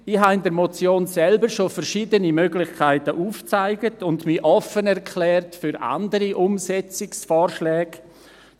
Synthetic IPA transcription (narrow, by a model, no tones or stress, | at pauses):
ɪhɦaɪndəɾmɔt͡sjoːnsɛlbəɾʃofɛɾʃiːdənimøɡlɪχkʰaɪtəʔuːft͡saɪɡətʊndmiʔɔfənɛɾkʰlɛːrtfyɾʔa̰ndəɾiʔʊmsɛt͡sɪksfɔːrʃlɛːɡ̥